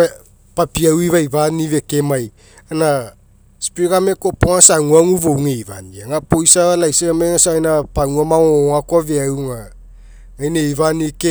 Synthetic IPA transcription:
papiawivajvanive̞kemaj | ana | spiɡame̞kopoŋasaŋuaŋuvowŋejva̰niaŋapojsaalajseameŋasaajnapaŋuamaoakoaveawŋa | ajnejvanike

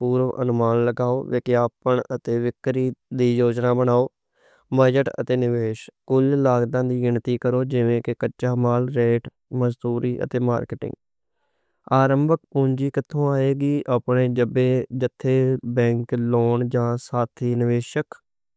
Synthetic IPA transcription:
puːɾʋʔə̰nʊmaːnləɡaːoːʋɪkjaːpəɳət̪eːʋɪkːɾiːd̪iːjoːd͡ʒnaːbənaːoː | bəd͡ʒəʈə̰t̪eːnɪʋeːʃkʊllaːɡd̪ãːd̪iːɡɪnt̪iːkəɾoːd͡ʒɪʋẽːkɪkəːʃaːmaːlɾeːʈ | məzd̪uːɾiːʔə̰t̪eːma̰ːɾkɪʈɪ̰̃ŋɡ | aːɾəmbək̚põːɲd͡ʒiːkɪt̪ʰːõːaːeːɡiːʔaːpɳeːd͡ʒəbeːd͡ʒət̪ʰːeːbɛ̃ːŋkloːɳd͡ʒãːsaːt̪ʰiːnɪʋeːʃək

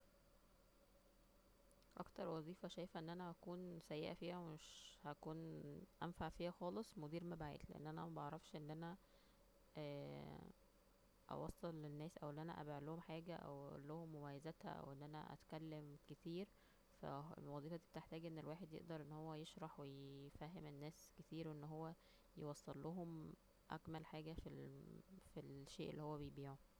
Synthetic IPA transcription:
ʔɑ̰kt̪ɑɾˤwɑzˤiːfæʃæːjfæʔenːʔænæhækuːnsæjːḛʔæfiːhæwmeʃhækuːnʔænfaʕfiːhæxɑːlesˤmod̪iːɾmæbʕḛːt̪leʔḛnːʔænæmæbʔɑʕɾˤɑfʃʔenːʔænæ | æː | ʔɑ̰wɑsˤːɑlːenːæːsʔæwʔeːʔænæ̰ʔæ̰beʕlohomħaːɡæʔæ̰wʔlːohomːomæjæzæt̪hæ̰ʔæ̰wʔenːʔænæ̰ʔæ̰t̪kælːemket̪iːɾ | fæ̰lmwɑzˤiːfɑt̪i̥b̚et̪eħt̪æːɡʔenːelwaːħed̪jḛʔd̪ɑɾˤʔenːhowːæjeʃɾˤɑħwejfæɦːemenːæːsket̪iːɾweʔenːɦowːæ | jewɑsˤːelːoɦom | ʔæ̰kmælħaːɡæfi | filʃeːʔḛlːihowːæbejbiːʕo

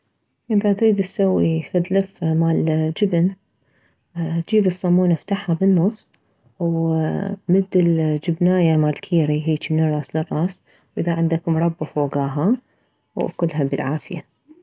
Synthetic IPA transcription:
ʔɪðad̪ɾiːd̪ɪsawːixad̪lɪfmaːld͡ʒɪbn | d͡ʒiːbɪsˤːɑmːuːnaft̪aħhabɪnːʊsˤː | w | mɪd̪ːɪld͡ʒɪbnaːjamaːlkʰiːɾiɦiːt͡ʃ̪imnɨrˤːɑːslɪrˤːɑːs | wʔɪðaʕɪnd̪kʊmɾˤɑbːafoːɡaːɦa | wa̰kʊlːɦabɪlʕaːfɪja

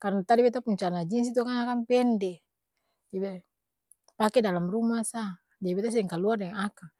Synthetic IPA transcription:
karnat̪adibɛt̪̬apuɲt͡ʃanad͡ʒins̬it̪okaŋakampɛndɛ | d͡ʒabe | pakɛdalamrumasa | daibɛt̪as̬idɛŋkaluardɛŋŋakaŋ

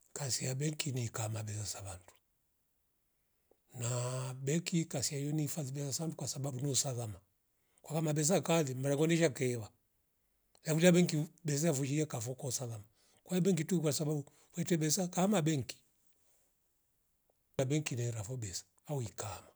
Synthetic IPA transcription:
kasiabɛŋkinikamabɛsasaβantu̥ | nabɛkikasiajɔnifaðibɛsasaandukwasababunɔsaðama | kwakamabɛs̬akaðimaɾakɔndiɛʃakɛɛβa | lafuliabɛŋkibɛs̬aafuʃiɛkafɔkɔsaðama | kwajɔbɛŋk̬itukwasababu | fwɛtɛbɛsakamabɛŋki̥ | abɛŋkinɛɾafɔbɛsḁ | auikama

